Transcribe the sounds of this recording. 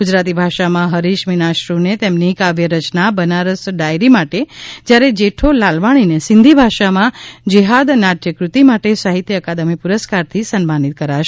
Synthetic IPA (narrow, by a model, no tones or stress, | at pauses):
ɡʊd͡ʒɾat̪̬ibʱaʃamãɦəɾiʃminaʃɾunet̪emnikaʋjəɾət͡ʃnabənaɾəsɖajɾimaʈed͡ʒjaɾed͡ʒeʈʰolalʋaɽ̃inesɪnd̪ʱibʱaʃamãd͡ʒiɦad̪naʈ̪jəkɾut̪imaʈesaɦit̪jəəkad̪əmipʊɾəskaɾt̪ʰisənmanit̪̚kəɾaʃ